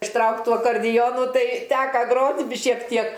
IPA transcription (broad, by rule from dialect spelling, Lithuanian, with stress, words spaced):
ɪʃˈtrɐʊkt ˈtuː ɐkɐrʲˈdʲɪjoːnʊ ˈtɐɪ ˈtʲæːkɐ ˈɡroːtʲ bʲɪ ʃʲiɛk ˈtʲiɛk